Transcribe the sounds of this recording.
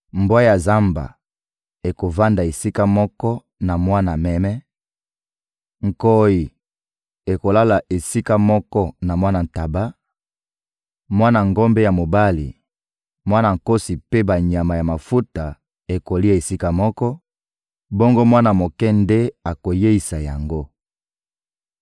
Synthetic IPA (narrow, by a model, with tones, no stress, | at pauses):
mbwa˦ja˨za˦mba̰˨ | e˨ko˨va˦nda˨e˨si˦ka˦mɔ˦kɔ˦ | na˨mwa˦na˨mɛ˦mɛ˦ | ŋ̩˨ko˦ji˨ | e˨ko˨la˦la˨ʔe˨si˦ka˦mɔ˦kɔ˦na˨mwa˦na˨n˨ta˨ba˦ | mwa˦na˨ŋɡo˦mbe˦ja˨mo˨ba˦li˨ | mwa˦na˨ŋ̩˨ko˦si˨pe˦ba˨ɲa˨ma˨ja˨ma˨fu˦ta˨ | e˨ko˨li˦a˦˨e˨si˦ka˦˨mɔ˦kɔ˦ | bo˦ŋɡo˦mwa˦na˨mo˨kɛ˦nde˦a˨ko˨je˦i˨sa˨ja˨ŋɡo˦